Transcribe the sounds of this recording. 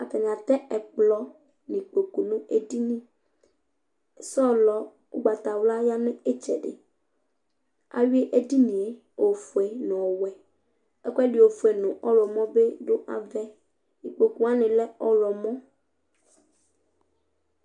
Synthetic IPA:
a˨t̪ɛ˨ɲã˨t̪ɛ˦ɛ˨k͡plɔ˦ | nĩ˨k͡po˨ku˨nũ˦e˦di˦nĩ˦˨ | sɔ˦lɔ˨ | ʊ̰˦ɡ͡ba˨t̪a˨wla˦ja˦nɪ̃˦e˦t͡ʃɛ̰˨ɖɪ̰˨ | a̰˨wi˦e˦ʔe˦di˦nĩ˨e˦ | o˨fu˨ɛ˨nʊ̃˨ɔ˨wɛ˨ | ɛ˦kʷɛ˦dɪ˨o˨fu˨ɛ˨nʊ̃˨ʔɔ˦lɔ˨mɔ̃˦be˦do˦ʔa̰˨vɛ˦ | i˨k͡po˨ku˨a˦nɪ̃˨lɛ˦ɔ˦lɔ˨mɔ̃˦

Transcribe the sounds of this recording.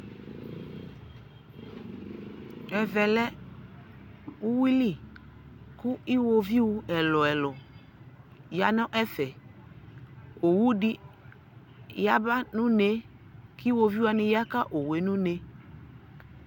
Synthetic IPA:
ɛ˨vɛ˨lɛ˦ | u˦wi˦li˦˨ | kʊ˦i˦wo˦vi˦wu˦ɛ˨lɔ˨ɛ˨lɔ˨ | ja˨nɔ̃˦ʔɛ˦fɛ˨ | o˨wu˦di˦ | ja˦ba˦nũ˦ne˦ | ki˦wo˦vi˦wa˨nɪ̃˦ja˦ka˦ʔo˨we˨nũ˦ne˦

